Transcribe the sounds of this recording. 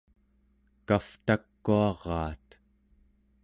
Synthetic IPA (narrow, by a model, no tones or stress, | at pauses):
kaft̪akːuɑʁɑːt̪